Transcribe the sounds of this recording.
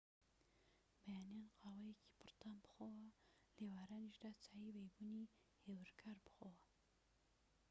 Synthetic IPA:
bajaːnjanqʰɑːwajekʰi̥pʰɨɾt̪aːnbɨxowa | lewaːɾaniʒd̪at͡saːjiwejbuni | hewɨɾkʰaɾbɨ̥xowa

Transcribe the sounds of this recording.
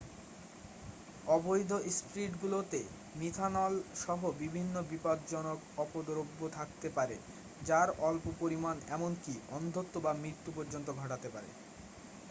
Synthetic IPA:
ɔbojd̪ʱoʔsʈɾiʈɡulot̪e | mit̪ʰanɔlʃɔɦobibʱinːobipad̪d͡ʑɔnokɔpod̪oɾobːot̪ʰakt̪epaɾe | d͡ʑaɾɔlpopoɾimanɛmonkiɔnd̪ʱot̪ːobamɾiɾt̪ːupɔɾd͡ʑont̪oɡʱɔʈat̪epaɾḛ

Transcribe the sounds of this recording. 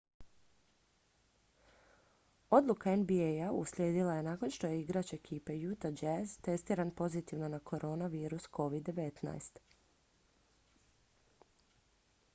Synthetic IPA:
o̞d̪lˠukaenbiejauslʲje̞ːd̪ilˠaje̞naːko̞nʃt̪o̞je̞iɡɾat͡ɕeekʰiːpe̞jut̪ad͡ʒezt̪e̞st̪iːɾanpo̞zit̪iʋno̞nakʰo̞ɾʔo̞ːnaʋiːɾuskʰo̞ʋid̪ːe̞ʋe̞t̪na̰jst̪

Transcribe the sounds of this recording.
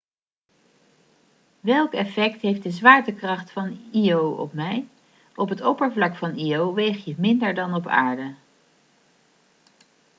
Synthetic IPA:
ʋɛlˠkɛfɛktɦejftdəzʋaːɹtəkrɑχtfɑniowɔ̰pmɛj | ɔpɦətɔpəɹvlɑkfɑnijowʋejχjəmɪndəɹdɑnɔpa̰ːɹdə

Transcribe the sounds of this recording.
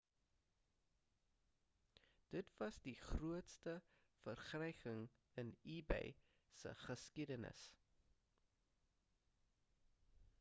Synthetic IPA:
d̥ətvɐsdiχruətstə | fərχrɛjkəŋ | ənibɛ̰j | sə̰χəskidənə̰s

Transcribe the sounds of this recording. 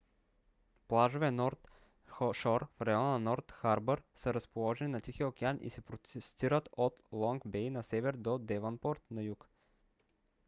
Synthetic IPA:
plˠaʒovɛnɔɾt̪ | ʃɔɾfɾɐjɔnɐnɔɾt̪xaɾbəɾsəɾəspolˠɔʒɛninɐt̪ixiokʲɛanʔḭsɛpɾoɛst̪iɾət̪ot̪lˠɔŋɡbɛjnɐsɛvɛɾd̪od̪ɛvɐnpɔɾt̪nɐjuk

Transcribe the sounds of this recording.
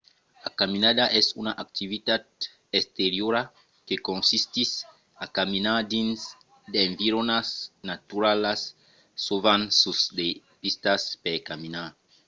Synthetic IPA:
akaminad̪aʔɛsunaʔak̚t̪ivit̪ad̪ | est̪eɾjoɾa | kekõnsist̪is | akaminad̪ins | d̪eɱviɾonasnat̪uɾalasː | ovansusd̪e | pist̪aspekamina

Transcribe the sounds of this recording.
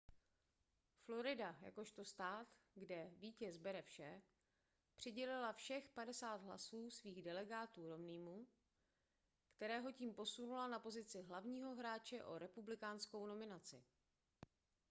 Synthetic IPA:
flo̞ɾɪdaja̰ko̞ʃt̪o̞st̪aːt̪ɡdɛviːcɛzbɛɾɛfʃɛ | pr̝̥ɪɟɛlɪlafʃɛxpadɛsaːd̪ɦla̰suːsviːɣdɛlɛɡaːt̪uːɾo̞mniːmu | kt̪ɛɾɛːɦo̞ciːmpo̞sunulanapo̞zɪt͡sɪɦlavɲiːɦo̞ɦɾaːt͡ʃɛʔo̞̰ɾɛpublɪkaːnsko̞wno̞mɪnat͡sɪ̰

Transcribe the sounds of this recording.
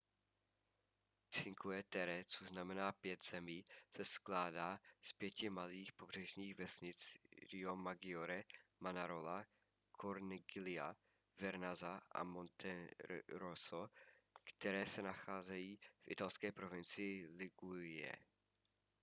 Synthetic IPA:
t͡sɪŋkuɛt̪ɛɾɛt͡soznamɛnaːpjɛt̪z̥ɛmiːsɛsklaːdaːspjɛcɪmaliːxpobr̝̥ɛʒɲiːxvɛsɲɪt͡sɾɪomaɡɪoɾɛmanaɾola | kʰoɾnɪɡɪlɪa̰ | vɛɾnazaʔa̰mont̪ʰɛɾosokt̪ɛɾɛːsɛnaxaːzɛjiːfʔɪ̰t̪alskɛːpɾovɪnt͡sɪjɪlɪɡuɾɪjɛ̰

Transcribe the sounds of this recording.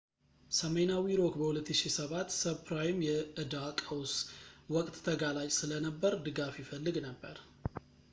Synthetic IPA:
səmenawiɾo̞kbəhulət̪ːɨʃisəβat̪ːsəpʰɾajɪmjɛʔɨd̪akʼəwswɔkʼt̪ʼːʰəɡalat͡ʃʼsɨlənəbːəɾd̪ɨɡafjɪfəlːɨɡnəbːə̰ɾ

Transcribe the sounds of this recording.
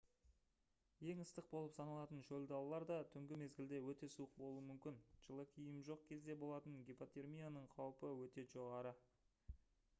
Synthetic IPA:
je̞ŋəst̪əq̚bo̞lˠəpsɑnɑlˠɑt̪ənʒɵld̪ɑwlˠɑɾd̪ɑt̪ʰʏŋɡʲɪme̞zɡʲɪld̪e̞wɵt̪e̞suəq̚bo̞lˠuəmʏmkʲɪnʒ̥əlˠəkʲʰijɪmʒo̞q̚kʲʰe̞zd̪e̞bo̞lˠɑt̪əŋɡʲipot̪e̞rmʲijanəɴqʰɑwpəwɵt̪e̞ʒo̞ʁɑɾə

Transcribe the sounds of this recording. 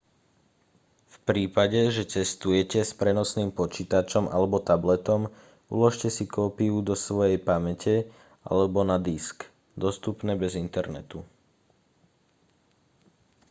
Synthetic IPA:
fpɾiːpaɟɛʒɛt͡sɛst̪ujɛcɛspɾɛnɔsniːmpɔt͡ʃiːt̪at͡ʃɔmʔa̰lɛbɔt̪ablɛt̪ɔm | ṵlɔʃcɛsikɔːpiud̪ɔsʋɔjɛjpamɛcɛ | ʔa̰lɛbɔnad̪isk | d̪ɔst̪upnɛːbɛzint̪ɛɾnɛ̰t̪u

